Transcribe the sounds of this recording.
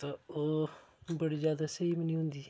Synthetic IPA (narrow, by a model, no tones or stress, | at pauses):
t̪aːoːbəɽiːzjaːd̪aːsəiːmənĩːɦʊ̃nd̪iː